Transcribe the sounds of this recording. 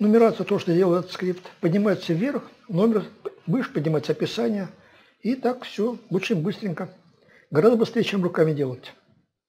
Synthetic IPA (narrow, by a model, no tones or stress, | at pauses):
nəmʲɪɾat̪sət̪oʂt̪odʲelˠəɪt̪ɛt̪ət̪skɾʲipt̪pədʲnʲɪmajɪt̪səvʲːe̞rx | no̞mʲɪrbɨʂpədʲnʲɪmajɪt̪səɐpʲɪsanʲɪjə | it̪akfsʲobut͡ɕɪmʲbɨst̪ɾʲɪŋʲkə | ɡɐɾazd̪əbɨst̪ɾejət͡ɕemrʊkamʲɪdʲe̞lˠətʲ